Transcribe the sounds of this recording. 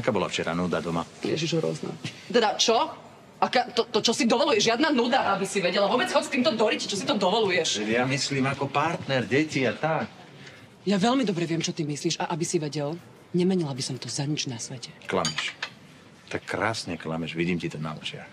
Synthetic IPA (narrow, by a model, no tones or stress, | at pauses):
akaːbɔla̰ft͡ʃɛɾa̰nuːd̪ad̪ɔmalɪɛ̰ʒiʒɔɾʊɔ̰znṵ | t̪ɛd̪at͡ʃɔ | akaːt̪ɔt̪ɔt͡ʃɔsid̪ɔʋɔlujɛʒʒjad̪nanud̪aʔabisiʋɛɟɛlaʋʊɔbɛd͡zɦɔt͡st̪iːmt̪ɔd̪ɔɾict͡ʃɔsit̪ɔd̪ɔʋɔlujɛʃɛjamisliːmakɔpaɾt̪nɛɾɟɛciat̪ak̚ | jaʋɛʎmid̪ɔbɾɛʋɪɛmt͡ʃɔt̪imisliːʃaʔabisiʋɛɟɛl | ɲɛmɛɲilabisɔmt̪ɔzaɲid͡ʒnasʋɛcɛkla̰mɛʃ | t̪akːɾa̰ːsɲɛkla̰mɛʒʋiɟiːmcit̪ɔna̰ːlɛ̰ʒɪa̰